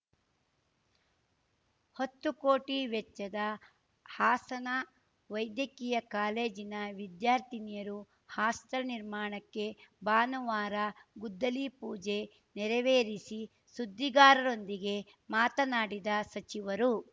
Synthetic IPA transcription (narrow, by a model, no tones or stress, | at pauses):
hot̪ːukoːʈiʋɛt͡ʃːɐd̪ɐ | haːsɐnɐ | ʋɐjd̪jɐkijɐkaːle̞ːd͡ʒinɐʋid̪jaːɾt̪inijɐɾu | haːst̪ɐɾɐniɾmaːɳɐkːe̞baːnuʋaːɾɐɡud̪ːɐlipuːd͡ʒe̞ | nɛɾɛʋeːɾisi | sud̪ʱːiɡaːɾɐɾo̞nd̪iɡe̞ | maːt̪ɐnaːɽid̪ɐsɐt͡ʃiʋɐɾu